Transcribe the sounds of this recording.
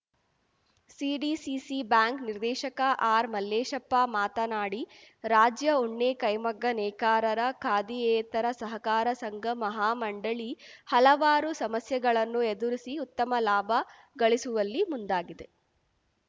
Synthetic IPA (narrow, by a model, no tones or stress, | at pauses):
siːɖisisibaːŋkniɾd̪ɛːʃɐkɐʔaːɾmɐlːeːʃɐpːamaːt̪ɐnaːɽiɾaːd͡ʒjɐuɳːeːkɐjmɐɡːɐnɛːkaːɾɐɾɐkʰaːd̪iɛːt̪ɐɾɐsɐɦɐkaːɾɐsɐŋɡɐmɐɦaːmɐɳɖɐɭihɐlɐʋaːɾusɐmɐsjɐɡɐɭɐnːued̪uɾisiut̪ːɐmɐlaːbʱɐ | ɡɐɭisuʋɐlːimund̪aːɡid̪e̞